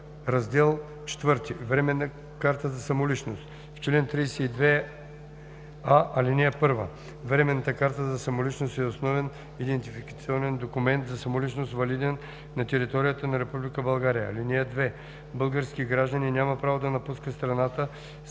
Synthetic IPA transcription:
ɾɐzd̪ɛlˠ | t͡ʃɛ̥t̪vɤɾt̪ivɾɛmɛnːə | kaɾt̪əzɐsɐmolit͡ʃnost̪ | ft͡ʃɛlɛnt̪ɾijsɛid̪vɛ | aʔɐlinʲɛɛpɤɾvə̰ | vɾɛmɛnːət̪əkaɾt̪əzɐsɐmolit͡ʃnost̪ɛosnɔvɛn | id̪ɛnt̪ifikɐt̪siɔnɛnd̪okumɛnt̪zɐsɐmolit͡ʃnost̪vɐlid̪ɛn | nɐt̪ɛɾit̪ɔɾijət̪ənɐɾɛpublikəbɐlˠɡaɾijə̰linɛɛd̪vɛ | bɤlˠɡəɾskiɡɾaʒd̪əninʲamɐpɾavod̪ɐnɐpuskət̪st̪ɾɐnat̪ə

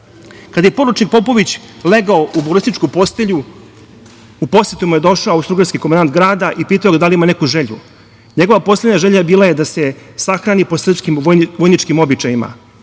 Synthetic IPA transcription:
kad̪aje̞po̞ɾut͡ʃnik̚po̞po̞ʋit͡ɕ | leɡaoʔubolist̪it͡ʃkupo̞st̪eʎu | upo̞set̪omojed̪o̞ʃaoawst̪ɾuɡaɾskikomand̪ant̪ɡɾaːd̪aʔipiːt̪aoɡad̪aliimanekuʒeʎṵ | ɲeɡoʋapo̞sled̪ɲaʒeʎabiːlajed̪ase̞saxɾanipo̞sɾr̩pskimʋojʋojnit͡ʃkimo̞bit͡ʃajima̰

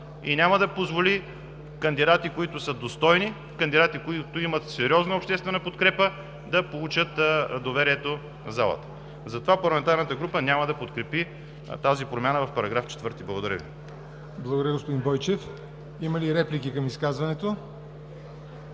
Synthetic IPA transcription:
ḭnʲaməd̪ɐpozvoli | kɐnd̪id̪at̪ikoit̪ʊsəd̪ost̪ɔjni | kɐnd̪id̪at̪ikoit̪ʊimət̪sɛɾʲɔznəopʃt̪ɛst̪vɛnɐpot̪kɾɛpə | d̪ɐpolˠut͡ʃət̪d̪ovɛɾiɛt̪o | nɐzalˠə̰t̪ə̥ | zɐt̪ovapɐɾlˠɐmɛnt̪aɾnət̪əɡɾupənʲaməd̪ɐpot̪kɾɛpi | t̪azipɾomʲjanəvɐfpɐɾɐɡɾaft͡ʃɛ̥t̪vɤɾt̪iblˠɐɡʊd̪ɐɾʲjə̰vḭ | blˠɐɡod̪ɾjəɡospod̪inbɔjt͡ʃɛf | iməliɾɛplikikɐmiskazvɐnɛt̪o

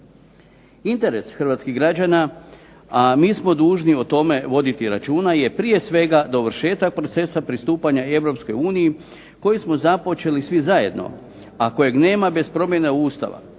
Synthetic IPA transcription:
int̪e̞ɾe̞sxr̩ʋaːt̪skiɣɡɾad͡ʑana | amiːsmo̞d̪uːʒniot̪o̞me̞ʋo̞d̪it̪iɾat͡ʃuːnaje̞pɾije̞sʋe̞ɡad̪o̞ʋr̩ʃe̞ːt̪ak̚pɾo̞t̪se̞sapɾist̪uːpaɲae̞ʋɾo̞psko̞juːniji | ko̞jismo̞zapo̞t͡ʃe̞lisʋizaje̞d̪no̞̰ | ako̞je̞ɡne̞ːmabe̞spɾo̞mje̞neuːst̪a̰ʋa̰

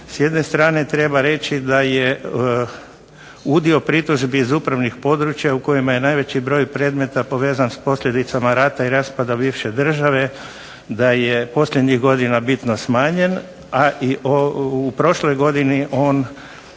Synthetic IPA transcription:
sje̞d̪ne̞st̪ɾaːne̞t̪ɾe̞baɾe̞t͡ʃid̪aje | ud̪io̞pɾit̪uʒbiːzupɾaʋnixpo̞d̪ɾut͡ʃjauko̞jimaje̞najʋe̞t͡ɕibɾo̞ːjpɾe̞ːd̪me̞t̪apo̞ʋe̞ːzanspo̞sʎʲe̞d̪it̪samaɾaːt̪aiɾaspad̪abiːʋʃed̪r̩ʒaʋe̞ | d̪ajepo̞sʎʲed̪ɲiɣɡo̞d̪inabit̪nosmaːɲe̞n | aʔiʔoupɾo̞ʃlojɡo̞d̪iniʔo̞ːn

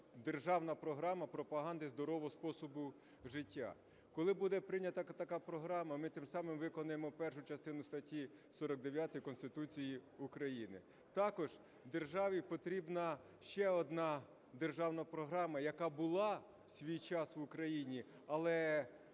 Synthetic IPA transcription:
d̪erʒɑwnɐpɾɔɦɾɑmɐpɾɔpɐɦɑnd̪ɪzd̪ɔɾɔʋɔɦɔspɔsɔbʊ | ʒɪtʲːa̰ | kɔlˠɪbud̪ɛpɾɪnʲɐt̪ɐɐt̪ɐkɑpɾɔɦɾɑmɐmɪt̪ɪmsɑmɪmʋɪkɔnɐjemɔpɛrʃʊt͡ʃɐst̪ɪnʊst̪ɐtʲːi | sɔɾɔɡ̚d̪eʋʲjat̪ɪjkɔnst̪ɪt̪ut͡sʲijiʊkɾɐjinɪ̰ | t̪ɑkɔʒ | d̪e̞rʒɑʋʲipɔt̪ɾʲibnɐ | ʃt͡ʃɛɔd̪nɑ | d̪erʒɑwnɐpɾɔɦɾɑmɐjɐkɑbʊlˠɑ | sʲʋʲijt͡ʃɑsʋʊkɾɐjinʲi | ɐlˠɛ

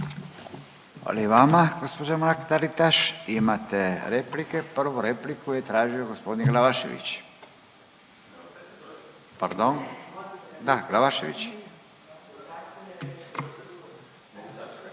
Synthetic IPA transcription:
a̰liiʋamaɡospod͡ʑamaɾkt̪aɾit̪aʃimat̪eɾeplikepr̩ʋuɾeplikujet̪ɾaːʒioɡospo̞d̪inɡlaʋaʃḛʋḭt͡ɕ | paɾd̪on | d̪aɡlaʋaʃeʋḭt͡ɕ

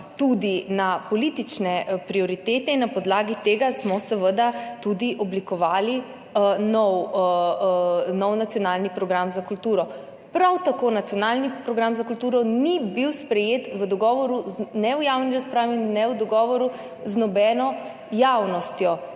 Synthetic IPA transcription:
t̪ud̪inapɔliːt̪it͡ʃnɛpɾiɔɾit̪eːt̪ɛinːapɔd̪laːɡit̪eːɡasmɔsəʋəd̪at̪ud̪iʔɔblikɔʋaːli | nɔw | nɔwnat̪sjɔnalnipɾɔɡɾamzakult̪uːɾɔ | pɾawt̪akonat̪sjɔnaːlnipɾɔɡɾamzakult̪uːɾɔnibiwspɾɛjeːt̪ʋəd̪ɔɡɔːʋɔɾunɛwjawniɾaspɾaːʋinnɛwd̪ɔɡɔʋɔɾu | znɔbɛːnɔ | jawnɔst̪jɔ

